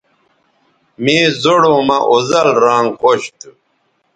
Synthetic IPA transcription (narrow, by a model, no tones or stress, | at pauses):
mẽːzoɽoːmɐʔozɐlɾaːŋqoɕt̪